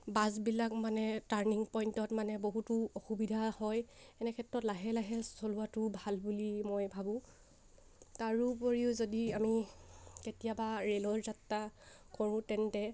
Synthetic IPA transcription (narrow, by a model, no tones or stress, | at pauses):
bazbilakmanɛtaɹniŋpɔjntɔtmanɛboɦutʊɔxubidʱahɔjɛnɛkʰɛtɹɔtlaɦɛlaɦɛsoluatʊbʱalbulimojbʱabʊ̃ | taɹupoɹiʊzodiamiketijabaɹelɔɹzatːakʰɔɹʊ̃tɛntɛ